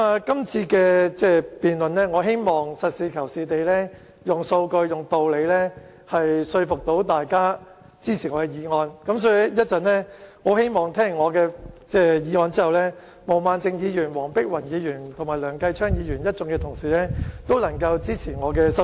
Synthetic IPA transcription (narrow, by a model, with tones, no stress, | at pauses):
a˨˧kɐ˥mt͡sʰiː˧kɛː˧t͡sɛː˥˩piː˨nlɵ˨nlɛː˥ŋɔː˨˧ɦe˥jmɔː˨˩ŋsɐ˨t̚siː˨˧kʰɐ˨˩wsiː˨t̪e˨jlɛː˥ | jʊ˨ŋso˧wkɵ˧ɥjʊ˨˩ŋt̪o˨wle˨˧jlɛː˥ | hɐ˨jsɵ˧ɥfʊ˨k̚t̪o˨˥wt̪aː˨jkaː˥ | t͡siː˥t͡sʰiː˨˩ŋɔː˨˧kɛ˧jiː˨˧ŋɔː˧nkɐ˨˥ms̬ɔː˧˥jɛ˥jɐ˥t̚t͡sɐ˨nlɛː˥ŋɔ˨˧ɦe˥jmɔː˨ŋt̪ʰɛː˥ŋːɔː˨˧kɛː˧t͡sɛː˥˩jiː˨˧ŋɔː˧nt͡siː˥hɐ˨wlɛː˥ | mo˨˩wmaː˨˧nt͡sɪ˧ŋjiː˨˧jyː˨˩nwɔː˨˩ŋpɪ˥k̚wɐ˨˩njiː˨˧jyː˨˩nt̪ʰʊ˨˩maː˨˩jlœː˨˩ŋkɐ˧jt͡ʃʰœː˥ŋjiː˨˧jyː˨˩njɐ˥t̚t͡sʊ˧˥ŋkɛː˧t̪ʰʊ˨˩ŋsiː˨˩lɛː˥t̪o˥wlɐ˨˩ŋkɐ˧wt͡siː˥t͡sʰiː˨˩ŋɔː˨˧kɛː˧sɐ˥